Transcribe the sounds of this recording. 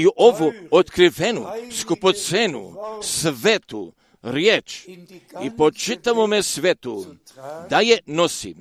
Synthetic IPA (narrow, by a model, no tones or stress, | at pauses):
iʔoʋuot̪kɾiʋenṵskupot̪senṵsʋet̪ṵ | ɾjeːt͡ʃ | ipot͡ʃit̪amomesʋet̪ud̪ajenosḭ